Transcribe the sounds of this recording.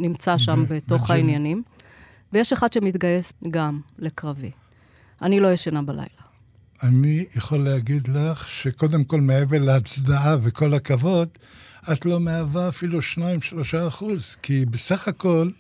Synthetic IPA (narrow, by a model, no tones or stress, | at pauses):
nimt͡saʃambeto̞χhainjanim | vejeʃeχad̪ʃemit̪ɡajesɡamle̞kʁavḭ | anilo̞jeʃanabala̰jla | anijaχolːeaɡid̪laχʃeko̞d̪emko̞lmeeveleat͡sd̪aaveko̞lakavo̞d̪ | at̪lo̞meavaːfiluʃnaimʃlo̞ʃaːχuzkibesaχako̞l